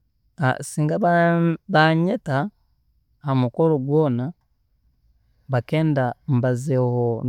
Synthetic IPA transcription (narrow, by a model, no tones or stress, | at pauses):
a̰siːŋɡaβaβaɲeta | hamukoloɡwoːna | βake̞ːndambazeho